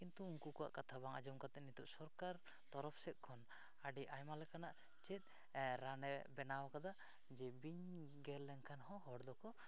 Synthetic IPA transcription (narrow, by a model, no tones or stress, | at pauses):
kint̪uuŋkukɔwa̰ʔkat̪ʰabaŋa̰d͡ʒɔmkat̪ɛʔnit̪uʔsɔɾkaɾ | t̪ɔɾɔpsɛt̪̚ˀkʰɔn | aɖiʔajmalɛkanaʔ | t͡ʃɛt̪̚ˀ | ɾanɛbɛnawakad̪a | d͡ʒɛbiɲ | ɡɛllɛŋkʰanɦɔ̃ɦɔɽd̪ɔkɔ